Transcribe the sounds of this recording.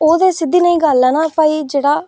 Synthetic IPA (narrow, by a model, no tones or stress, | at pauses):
oːd̪eːsɪd̪ːiːnəĩːɡalːaːnãːpaːiːd͡ʒeːɽaː